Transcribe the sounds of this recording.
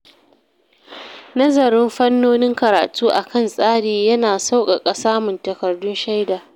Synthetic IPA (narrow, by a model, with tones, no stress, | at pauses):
nɐ˦zɐ˨ɾɪ˦mɸɐ˦nːoː˦nɪ˦ŋkɐ˨ɾa̰ː˨tʰuː˦ʔa˨kɐ˦˨nsʼaː˦ɽiː˨jɐ˦naː˨sa˦wkʼa˨kʼɐ˨saː˦mʊ˨ntɐ˨kɐ˨rdʊ˦nʃa˦jdaː˨